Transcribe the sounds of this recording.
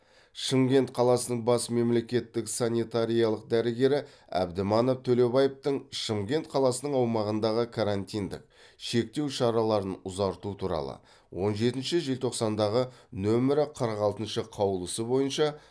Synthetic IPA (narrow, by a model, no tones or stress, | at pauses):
ʃəmɡʲe̞nt̪qʰɑlˠɑsənəɴbɑsme̞mle̞kʲe̞t̪ːɪksanʲit̪aɾʲijɑlˠəqd̪æɾɪɡʲe̞ɾɪ | æ̰bd̪ɪmɑno̞ft̪ʰɵle̞bɑjept̪əɴʃəmɡʲe̞nt̪qʰɑlˠɑsənəɴɑwmɑʁənd̪ɑʁəkʰaɾant̪ijnd̪ɪ̰k̚ | ʃe̞k̚t̪e̞wʃɑɾɑlˠɑɾənʊzɑɾt̪ut̪ʰuɾɑ̰lˠə̰ | wo̞nʒe̞t̪ɪnʃɪʒe̞lt̪ʰo̞qsɑnd̪ɑʁənɵmɪɾɪqʰəɾʁɑlˠt̪ənʃəqʰɑwəlˠəsəbo̞jənʃɑ